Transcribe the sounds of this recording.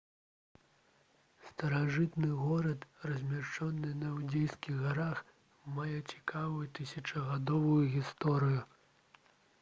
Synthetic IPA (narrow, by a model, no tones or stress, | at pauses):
st̪ɐɾaʐɨt̪nɨɣɔɾɐt̪rɐzʲmʲat͡ʂɔnːɨnɐwd͡zʲejskʲiɣɣaɾax | majɛt͡sʲi̥kavujut̪ɨsʲɐt͡ʂɐɣad̪ɔvujuɣʲist̪ɔɾɨju